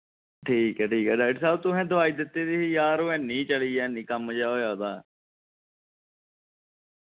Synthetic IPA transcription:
ʈʰiːkɛːʈʰiːkɛːɖaːɪɖsɛːbt̪ʊɦɛ̃ːd̪əʋaːiːd̪ɪt̪ːeːd̪iːɦiːjaːɾoːɛ̃ːnĩːt͡ʃəliːɛːnĩːkəmd͡ʒaːoːjaːd̪aː

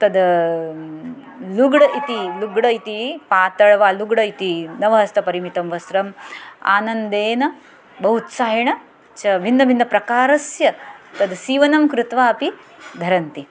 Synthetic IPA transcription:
t̪ɐd̪ | luɡɽɐʔit̪iluɡɽɐit̪ipaːt̪ɐɭʋaːluɡɽɐit̪inɐʋɐɦɐst̪ɐpɐɾimit̪ɐmʋɐsɾɐma̰ːnɐnd̪eːnɐ | bɐɦut̪saːjɐɳɐ | t͡ʃɐbʱinːɐbʱinːɐpɾɐkaːɾɐsjɐt̪ɐd̪siːʋɐnɐmkɾut̪ʋaːɐpi | d̪ʱɐɾɐnt̪i

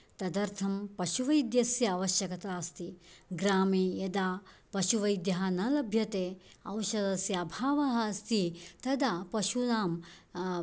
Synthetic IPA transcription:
t̪ɐd̪ɐɾt̪ʰɐmpɐʃuʋɐjd̪jɐsjɐːʋɐʃjɐkɐt̪aːɐst̪iɡɾaːmiːjɐd̪aː | pɐʃuʋɐjd̪jɐɦɐnɐlɐbʱjɐt̪eː | ɐ̰wʃɐd̪ɐsjɐːbʱaːʋɐɦɐɐst̪it̪ɐd̪apɐʃunaːm

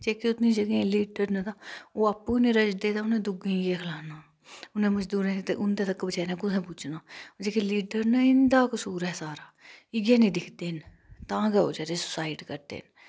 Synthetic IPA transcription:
t͡ʃeːkiʊt̪nĩːd͡ʒəɡẽliːɖəɾnat̪aoːaːpːũːnĩːɾəd͡ʒd̪eːt̪ãʊnẽːd̪ʊɡẽːɡeːkʰlaːnaː | ʊnẽːməd͡ʒd̪uːɾẽːt̪ʔʊnd̪eːt̪əkːbət͡ʃaːnãːkʊt̪ʰẽːp̬ʊt͡ʃʰnaːod͡ʒeːkeliːɖəɾnaɪnd̪aːkəsuːɾɦɛːsaːɾaːɪɡẽːnĩːd̪ɪkʰd̪eːn | t̪ãːɡɛo̰ːd͡ʒəɾeːsʊ̥saːɪɖkəɾd̪ḛːn

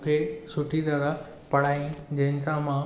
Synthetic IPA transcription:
kʰeːsʊʈʰit̪ɐɾə | pɐɽ̤aːĩd͡ʑɐɦɪ̃nsãmã

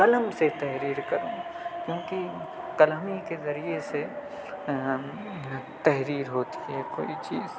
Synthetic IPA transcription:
kɐləmset̪ɐɦɾiːɾkɐɾõː | kjõːki | kɐlmikezɐɾiese | t̪ɛɦɾiːɾɦoːt̪ʰi̥ɦɛkoːit͡ʃiːz

